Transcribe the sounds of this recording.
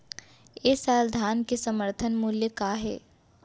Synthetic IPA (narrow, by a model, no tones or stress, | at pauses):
esaːld̪ʱaːnkesɐməɾt̪ʰənmuljəkaːɦɛ̰ː